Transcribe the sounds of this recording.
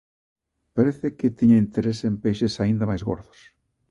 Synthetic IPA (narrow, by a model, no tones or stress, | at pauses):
paɾeθekɪt̪iɲɐint̪eɾesempejʃesaind̪ɐmajzɣo̰ɾðʊ̥s